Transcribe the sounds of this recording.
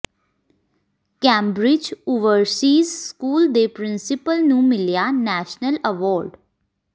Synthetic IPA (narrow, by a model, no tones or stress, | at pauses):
kɛ̃ːmbɾɪd͡ʒʊʋəɾsiːzskuːld̪eːpɾɪnsɪpəlnũːmɪlijaːnɛːʃnələʋɔːɾɖ